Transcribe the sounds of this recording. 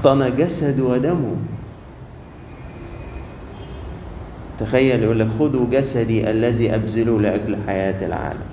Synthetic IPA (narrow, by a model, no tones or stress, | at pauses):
t̪ˤːɑnæɡæsad̪wæd̪æmu | t̪axæjːæljʔuːlːækxʊd̪uɡæsæd̪iʔalːæziːʔæbzɪlulɪʔæklħajaːt̪alʕa̰ːlæ̰m